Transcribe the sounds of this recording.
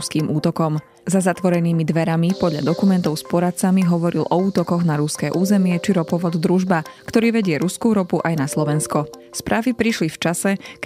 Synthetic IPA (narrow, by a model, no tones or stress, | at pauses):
skiːmʔuːt̪ɔkɔm | zazat̪ʋɔɾɛniːmid̪ʋɛɾamipɔd̪ʎa̰d̪ɔkumɛnt̪ɔʊspɔɾat̪̚t͡samiɦɔʋɔɾḭlʔɔuːt̪ɔkɔɣnaɾuskɛːʔuːzɛmɪɛt͡ʃiɾɔpɔʋɔd̪d̪ɾuʒbakt̪ɔɾiːʋɛɟɪɛɾuskuːɾɔpuʔajnaslɔʋɛnskɔspɾʔaːʋipɾiʃlift͡ʃasɛk